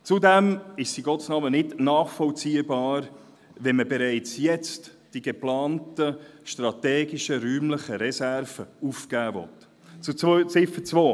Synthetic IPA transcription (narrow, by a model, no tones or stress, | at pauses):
t͡sudɛmɪʃsiɡ̥ɔtsnɑːmənɪdnɑːχfɔlt͡siːəbɑːɾ | ʋɛnməbeɾæɪt͡sjɛt͡st | d̥iɡ̥eplɑːntəʃtrɑtɛːɡɪʃəɾyːmləχəɾɛsæɾv̥əufkæːvɔ̰t | t͡sut͡st͡sɪfət͡svoː